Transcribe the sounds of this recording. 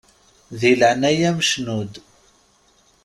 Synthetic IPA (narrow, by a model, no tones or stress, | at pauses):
ðiləʕnæjæməʃnud̪